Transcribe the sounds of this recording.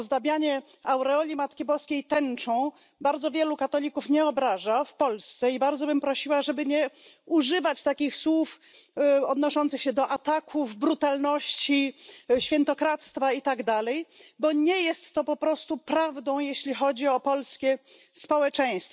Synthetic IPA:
zd̪abʲjaɲɛ | awɾɛɔlʲimat̪kʲibɔskʲejt̪ɛnt͡ʂɔ̃w̃ | baɾd̪zɔvʲjɛlukat̪ɔlʲikufɲɛɔbɾaʐafpɔlst̪sɛibaɾd̪zɔbɘmpɾɔɕiwaʐɛbɘɲɛ | uʐɘvat͡ɕt̪akʲixswuf | ɔd̪nɔʂɔnt̪sɨxɕɛd̪ɔʔat̪akʰuvbɾut̪alnɔɕt͡ɕiɕfʲjɛnt̪ɔkɾat̪st̪fait̪aɡd̪alɛjbɔɲɛjɛst̪ːɔpɔpɾɔst̪upɾavd̪ɔ̃w̃jeɕlʲixɔd͡ʑiɔpɔlskʲɛ | spɔwɛt͡ʂɛ̃j̃st̪fɔ

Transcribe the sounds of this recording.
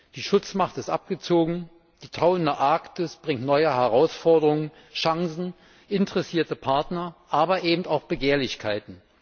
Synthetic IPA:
d̥iːʃʊt͡smaχtɪstʔap̚ɡ̥ət͡soːɡŋ̩ | d̥iːtʰaʊəndɐʔaːktɪsb̥ʁɪŋtnɔʏəɦɛʁaʊsfɔɐdəʁʊŋən | ʃaŋzn̩ | ʔɪntəʁɛsiːɐtəpʰaɐtnɐʔaːbɐʔeːbm̩taʊxb̥əɡeːɐlɪçkʰaɪtn̩

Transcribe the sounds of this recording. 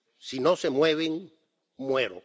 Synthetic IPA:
sino̞se̞mwe̞βeŋ | mwe̞ɾo̰

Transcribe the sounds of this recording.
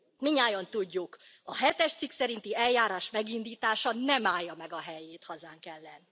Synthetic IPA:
miɲaːjont̪uɟːukɒɦɛt̪ɛʃt̪siksɛɾint̪iɛljaːɾaːʃmɛɡind̪iːt̪aːʃɒnɛmaːjːɒmɛɡɒɦɛjeːt̪hɒzaːŋkɛlːɛni

